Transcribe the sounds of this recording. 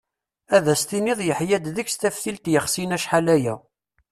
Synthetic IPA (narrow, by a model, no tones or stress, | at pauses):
æðæst̪iniðˤjəħjæd̪ðəçst̪æfθilt̪jəχsinæʃħalæjæ